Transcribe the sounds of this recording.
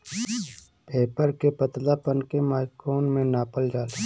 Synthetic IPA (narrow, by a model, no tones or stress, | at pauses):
peːpəɾkepət̪laːpənkemaːɪkoːnmẽnaːpəld͡ʒaːle